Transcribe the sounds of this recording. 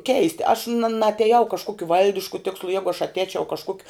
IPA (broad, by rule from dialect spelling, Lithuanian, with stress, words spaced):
ˈkʲɛɪsʲtʲɪ ɐʃ nɐ nɐɐtʲɛˈjɛʊ kɐʃˈkuɔkʲʊ ˈʋɐlʲdʲɪʃkʊ ˈtʲɪkslˠʊ ˈjæːɡʊ ɐʃ ɐtʲˈɛːt͡ʃʲɛʊ kɐʃˈkuɔkʲʊ